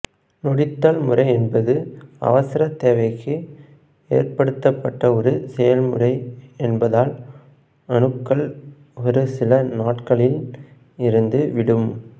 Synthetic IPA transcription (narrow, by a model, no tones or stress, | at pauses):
nɔɽɪt̪ːɐlmɯrɐɪɛnbɐðɯɐ̰ʋɐsɪɾɐt̪ːeːʋɐɪkʰːɯ | ḛːrpɐɽɯt̪ːɐpːɐʈːɐɔɾɯsɛjɐlmɯ̰rɐɪɛnbɐðaːl | ɐɳɯkːɐɭ | ɔɾɯsɪlɐnaːʈkɐɭɪl | ɪɾɯnd̪ɯʋɪɽɯm